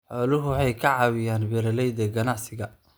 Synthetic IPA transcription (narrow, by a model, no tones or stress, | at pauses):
ħɔːlʊɦʊwħɑjkʰɐʕɑːwɪjaːnbɛɾɐlɛjd̪ɐɡɐnɑʕsɪɣɐ